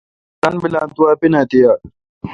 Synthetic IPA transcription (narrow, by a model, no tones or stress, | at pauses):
tanbɪlant̪uaːpɪnatija